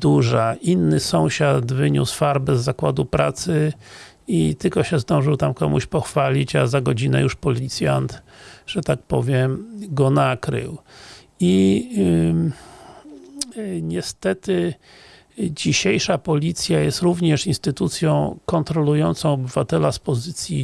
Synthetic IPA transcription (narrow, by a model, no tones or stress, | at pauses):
d̪uʐaʔinːɘsɔ̃w̃ɕat̪vɘɲṵsfaɾbɛzːakwad̪upɾa̰t̪sɘ | it̪ɘlkɔɕɛzd̪ɔ̃w̃ʐɨwt̪amkɔmṵɕpɔxfalʲit͡ɕazaɡɔd͡ʑinɛ̰juʂpɔlʲit̪sʲjant̪ʐ̥ɛt̪ak̚pɔ̰vʲjɛmɡɔnakɾɘ̰w | i | ɲɛst̪ɛt̪ɘ | d͡ʑiɕejʂapɔlʲit̪sʲjajɛst̪ɾuvɲɛʂinst̪ɘt̪ut̪sʲjɔ̃w̃kɔnt̪ɾɔlujɔnt̪sɔ̃w̃ɔbɘvat̪ɛlaspɔzɘt̪sʲji